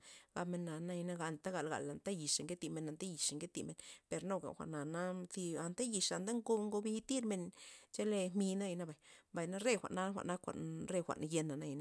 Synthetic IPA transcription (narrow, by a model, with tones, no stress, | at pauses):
ɡa˧me˧na˨na˦i˧na˦ɡa˨nt̪a˦ɡa˨lɡa̰˨la˨nt̪a˦ji˨ʂe˨ŋke˦t̪i˧me˧na˨nt̪a˦ji˨ʂe˨ŋke˦t̪i˧˨me˧˨npe˨˧ɾno˧ɡa̰˨xʷa̰˨ʔna˨na˦t̪i˧a˧˨nt̪a˦ji˧ʂa˨nd̪a˦ŋɡo˧˦ŋɡo˧bi˧˦t̪i˦ɾme˧nt͡ʃe˦le˧hmi˧na˦i˧na˦ba˨jba˨jna˦ɾe˦xʷa̰˨ʔna˦xʷa̰˨ʔna˦kʷa̰˨ʔnɾe˦˧xʷa̰˨ʔn˧je˧na˨na˦ji˧na˦